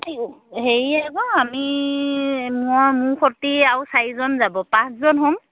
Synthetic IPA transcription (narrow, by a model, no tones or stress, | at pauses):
iɦeɹiakɔami | mʊamʊxʰɔtiawsaizɔnzabɔpãsʰzɔnɦɔm